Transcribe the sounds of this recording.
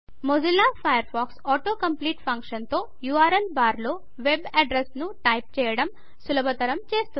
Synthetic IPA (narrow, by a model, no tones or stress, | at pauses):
mod͡ʒilːaːpʰɐjɐɾpʰaːksɔːʈo̞ːkɐmpliːʈpʰɐŋkʂɐnt̪oː | juːaːɾɐlbaːɾlo̞ː | ʋebɐɖɾesnuʈɐjp̚t͡ʃɛːjɐɽɐm | sulɐbʱɐt̪ɐɾɐmt͡ʃeːst̪u